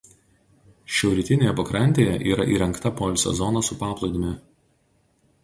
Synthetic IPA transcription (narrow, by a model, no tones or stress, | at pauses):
ʃʲɛʊɾʲɪt̪ʲɪnʲeːjɛpɐkɾɐnʲˑt̪ʲeːjɛʔiːɾɐʔiːɾʲɛŋkt̪ɐpolʲsʲɛ̰zɔnɐsʊpɑːplˠɐɪd̪ʊmʲɪ